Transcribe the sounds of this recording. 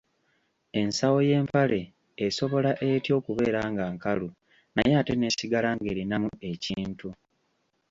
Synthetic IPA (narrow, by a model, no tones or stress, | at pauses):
e̞nsawo̞je̞ːmpale̞ː | so̞βo̞laʔetjo̞ːkuβe̞ːɾaːŋɡaːŋkalu | na̰jeate̞ne̞ːsiɡalaːŋɡe̞ːɾinamue̞ciːntu